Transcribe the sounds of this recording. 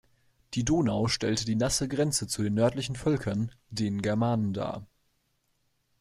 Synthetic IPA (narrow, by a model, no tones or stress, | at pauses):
d̥iːdoːnaʊʃtɛltədiːnasəɡʁɛnt͡sət͡sudeːnːœɐtlɪçn̩fœlkʰɐn | deːnɡɛɐmaːnənda̰ːɐ